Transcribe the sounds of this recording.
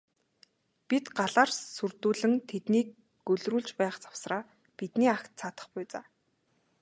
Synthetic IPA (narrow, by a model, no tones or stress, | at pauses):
pit̪ɢaɮaːrsurt̪uːɮɘ̆ŋt̪ʰet̪niːk | ɡɵɮruːɮt͡ɕpæːχt͡sḁw̥sraː | pit̪niːakt̪t͡sʰaːt̪ə̆χpʊjt͡sa̰ː